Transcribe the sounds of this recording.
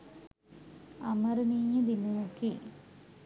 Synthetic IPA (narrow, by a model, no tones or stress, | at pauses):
ɐmɐɾuniːjɐd̪imoːki